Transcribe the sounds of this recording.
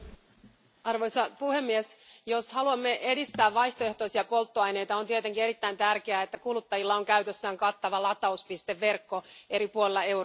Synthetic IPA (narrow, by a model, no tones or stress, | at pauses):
ɑrʋo̞jsɑpuhe̞mːiesjo̞shɑluɑmːe̞ʔe̞dist̪æːʋʋɑjçt̪oe̞ht̪oisiɑpo̞lt̪ːoɑjne̞jt̪ɑont̪iet̪e̞ŋkie̞ɾit̪ːæint̪ærkeæet̪ːækulut̪ːɑjilːɑo̞ŋkæyt̪øsːæːŋkɑt̪ːɑʋɑlɑt̪ːˑɑuspist̪e̞ʋːe̞rkːo̞e̞ɾipuolelːɑe̞